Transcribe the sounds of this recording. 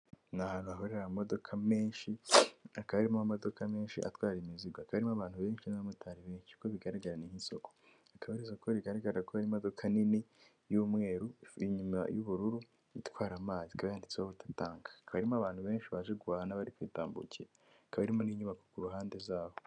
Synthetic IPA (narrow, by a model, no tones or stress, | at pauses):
nahanuaɦo̞ɾeɾamo̞do̞kʰame̞ːnʃiakaβaɾimaamo̞do̞kame̞ːnʃḭʔa̰twaːɾimiziɡwoakaβaɾimoaβaːn̥huβe̞ːnʃinaβamutʰaɾiβe̞ːnʃikoβiɡaɾaɡaɾanihiso̞kʰo̥ | akaβaɾiso̞koɾiɡaɾaɡaɾakoβaɾimodo̞kʰanini | juːmŋe̞ːɾuiɲuma̰juβuɾuɾu | ḭtwaːɾamaːzikaβajaːndit͡sehoβutḁtaːŋɡḁkaβaɾimoaβaːnhuβe̞ːnʃiβaʒeɡuaːhanaβaɾikwiːtaːmbṵciɾa | akaβaɾimo̞niːɲuβako̥kuɾuɦaːnde̞zaːho